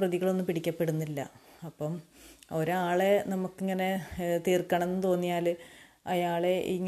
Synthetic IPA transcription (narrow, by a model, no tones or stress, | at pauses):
rɐðiɣɐɭo̞nːɨmpiɽikʲːɐpːe̞ɽunːilːɐ̰ɐpːɐmo̞ɾuaːɭe̞nɐmukːiŋːɐne̞t̪iːrkːɐɳɐe̞nːɨt̪o̞ːnːijaːl | ɐjaːɭe̞ʔḭŋː